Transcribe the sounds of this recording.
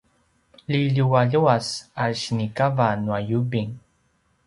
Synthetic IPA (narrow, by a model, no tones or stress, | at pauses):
liʎuwaʎuasaɻɕnikavanuajubiŋ